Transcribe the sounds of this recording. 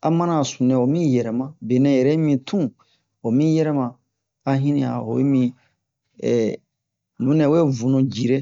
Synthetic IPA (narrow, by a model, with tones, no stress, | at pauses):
a̰˨mã˦nã˨sũ˨nɛ̃˨o˨mĩ˦jɛ˨ɾɛ˨mã˦be˨nɛ̃˨jɛ˨ɾɛ˦mĩ˨tʰũ˦ | o˨mĩ˦jɛ˦ɾɛ˦mã˨ | a˨ɦĩ˦nĩ˦a̰˨o̰˨wḛ˦mĩ˧ | ɛ̰˨ | nũ˨˦nɛ̃˨we˦˨vũ˨˦nũ˨d͡ʒi˨ɾe˦